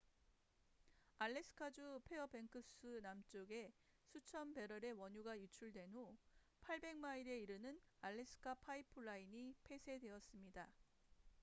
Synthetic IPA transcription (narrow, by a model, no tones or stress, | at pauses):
aɭːe̞sʰɯ̥kʰad͡ʑupʰe̞ʌbe̞ŋkʰɯs͈ʰɯnamt͡ɕ͈oɡe̞ | sʰut͡ɕʰʌnbe̞ɾʌɾe̞wʌɲuɡajut͡ɕʰuɭdwe̞no | pʰaɭbe̞ŋmaiɾe̞iɾɯnɯnaɭːe̞s͈ʰɯ̥kʰapʰaipʰɯɭːaiɲipʰe̞sʰe̞dwe̞ʌs͈ɯmɲida